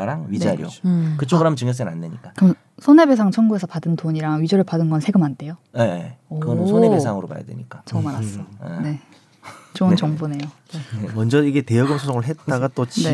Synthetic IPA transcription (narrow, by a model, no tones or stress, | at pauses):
ɾaŋɥind͡ʑaaɾij̰o̰kɯt͡ɕ͈oɡɯɾɦamɯnt͡ɕɯŋjʌs̬͈ɯnnanːeɲik͈akɯmʌn | sʰone̞be̞sʰaŋt͡ɕʰʌnŋɡuesʰʌpadɯndoɲiɾaŋɥid͡ʑoɾɯɭpadɯnɡʌnsʰe̞ɡɯmande̞jojeɯɡʌnɯsʰoneesʰaŋɯɾopa̰ja̰dwe̞̰ɲik͈at͡ɕʌmaɾas͈ʌḛne̞ | t͡ɕonnt͡ɕʌŋbone̞jo | emʌnd͡ʑʌiɡe̞te̞jʌɡɯmsʰosʰoŋɯɭɦe̞t̚t͈aɡat͈ot͡ɕni